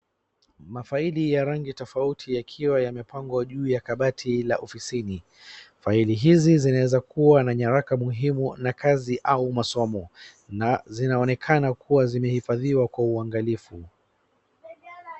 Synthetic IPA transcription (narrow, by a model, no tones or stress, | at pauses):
mafailijaɾaŋɡitɔfautʰijakʰiwajamɛpaŋɡɔʄuːjakaɓatʰilaʔɔfisini | failiɦizizinawɛzakuwanaɲaɾakamuɦimunakʰaziʔaumasɔmɔ | nazinaɔnɛkʰanakʰuwazimɛhifaðiwakwauaŋɡalifu